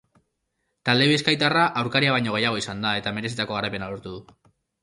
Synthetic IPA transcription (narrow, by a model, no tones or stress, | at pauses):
t̪ald̪e̞βiskajt̪araʔawɾkaɾiaβ̞ajɲo̞ɣ̞e̞jaɣ̞o̞isand̪ae̞t̪ame̞ɾe̞sit̪ako̞ɣ̞aɾajpe̞naloɾt̪uðu